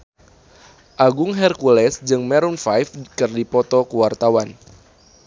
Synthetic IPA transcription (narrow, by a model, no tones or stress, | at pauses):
ʔaɡʊŋɦɛrkulɛsd͡ʒɨŋmɛɾunfajfkɨrdipɔt̪ɔkuwart̪awan